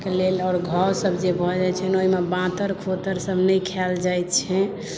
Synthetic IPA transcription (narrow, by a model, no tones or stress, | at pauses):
kelelɔːɾɡʱɔwsəbʱd͡ʒebʱɔd͡ʒajt͡ʃʰɛnoɦimebãt̪əɾkʰot̪əɾsəbnəjkʰɛld͡ʒajt̪̚t͡ʃʰɛ